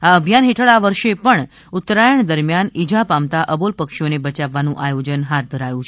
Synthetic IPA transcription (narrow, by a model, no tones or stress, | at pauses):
aəbʱjanɦeʈʰəɭaʋəɾʃepəɳ | ut̪ɾajəɳd̪əɾmjanid͡ʒʱapamt̪aʔəbolpəkʃonebət͡ʃaʋːanũʔajod͡ʒənɦat̪̚d̪ʱəɾajũt͡ʃʰe